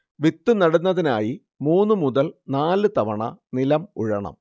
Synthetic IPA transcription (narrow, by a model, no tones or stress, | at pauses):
ʋit̪ːunɐɽunːɐðina̰ːji | muːnːɨmuðɐlnaːlɨt̪ɐʋɐɳɐ̰nilɐmuɻɐ̰ɳɐ̰m